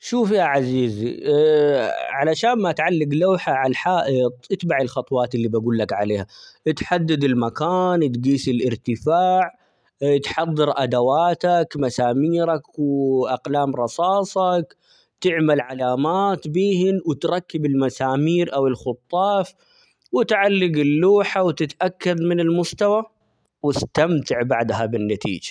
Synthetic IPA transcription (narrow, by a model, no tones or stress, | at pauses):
ʃuːfihaʕaziːz̰ | ʕalaʃaːnmaʔat̪ʕalːɪɡlaːħaʕalħaːʔɪt̪ˤʔɪt̪baʕɪlxɑt̪ˤwɑːt̪ɪlːibaɡuːlːakʕaleːhaʔɪt̪ħad̪ːɪd̪ɪlmakaːnt̪ɡiːsɪlʔɪɾt̪ɪfaːʕ | t̪ħɑðˤːɨɾʔad̪awaːt̪akmasaːmiːɾakwʔaqlaːmɾˤɑsɑːsˤɑk | t̪ɪʕmalʕalaːmaːt̪biːhɪnwɪt̪ɾˤɑkːɪbɪlmasaːmiːɾʔawɪlxʊt̪ˤːɑːf | wɪt̪ʕalːɪɡɪlːuːħawt̪ɪt̪ʔakːad̪mɪnɪlmʊst̪awa | wɪst̪amt̪ɪʕbaʕd̪ɦabɪnːat̪ḭːd͡ʒḁ